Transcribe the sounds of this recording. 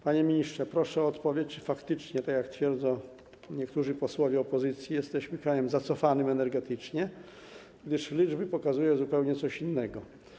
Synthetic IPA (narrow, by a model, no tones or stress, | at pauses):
paɲɛmʲiɲistʂɛpɾɔʂɛɔːt̪pɔvʲjet͡ɕt͡ʂɨ̥fakt̪ɘt͡ʂɲɛt̪akjakt̪fʲjɛɾd̪zɔ̃w | ɲɛkt̪uʐɘpɔswɔvʲjɛɔpɔzɘt̪sʲjijɛst̪ɛɕmɘkɾajɛmzat̪sɔfanɘmɛnɛɾɡɛt̪ɘt͡ʂɲɛ | ɡd̪ɘʂlʲid͡ʐbɘpɔkazujɛzupɛwɲɛt̪sɔɕinːɛɡɔ